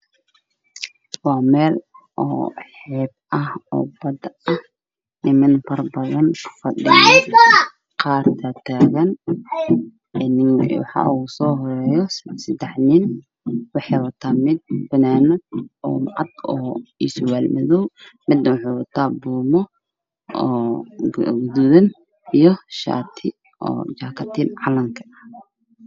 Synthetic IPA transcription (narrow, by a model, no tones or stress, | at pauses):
wɑːmɛːlʔɔ̰ːħɛːb̚ʔɐhɔ̰ːbɐd̪ɐh | nɪmɐnfɐrbɐðɐnʰfɐɗɪjɐ | qɑːrt̪ʰɐt̪ʰaːɣɐn | nɪŋwɑ̰ħɑ̰ːʔusɔːɦɔɾɛːjɔsɐd̪ɛħnɪn | wɑħɑwɐt̪ʰaːmɪd̪̚bɐnaːnɐdɔ̰ːmʕɑd̪̚ɔːiːswaːlmɪðɔwmɪd̪nɐwʊħɛwɐt̪ʰaːbuːmɔ | ɔː | ɡd̪ʊðɐn | ijɔʃa̰ːt̪ʰɪ | ʔɔ̰ːt͡ʃaːkʰɐt̪ʰɪnʕɑlɐŋkʰɐ̥ɐ